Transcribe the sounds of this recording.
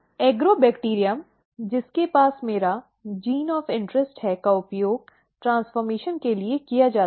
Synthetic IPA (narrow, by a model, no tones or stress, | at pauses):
eːɡɾoːbɛːkʈiːɾijəm | d͡ʒɪskepaːsmeːɾa | d͡ʒiːnɔːfɪ̃ɳʈɾəsʈɦɛkaʊpjoːɡ̚ | ʈɾãːnsfɔːɾmeːʃənkeliekijad͡ʒaːt